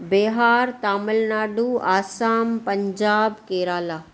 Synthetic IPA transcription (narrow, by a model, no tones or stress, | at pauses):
beːɦaːɾt̪aːməlnaːɖuaːsaːmpɐɲd͡ʑaːbkeːɾaːlaː